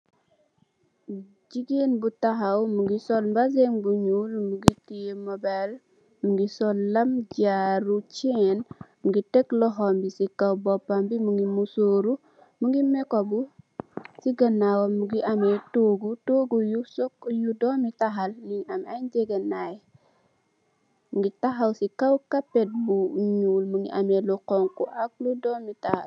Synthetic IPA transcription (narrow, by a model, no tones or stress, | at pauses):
d͡ʒiɡenbutaɦawmuɡisɔlmbazeŋbuɲulmuɡitiemobel | muɡisɔlːamd͡ʒaɾut͡ʃenmuɡiteklɔɦɔmbisikawbɔpːambimuŋɡimusoɾu | muŋɡimekobu | siɡɐnːawɔmuɡiɐmɛtoːɡutoːɡujusɔkjudɔmitaɦalniŋamajɟɛɡenaj | muŋɡitaɦawsikɐwkapːɛt̚buɲuːlmuŋɡiʔamɛluqɔŋkuʔak̚ludɔːmitaha̰l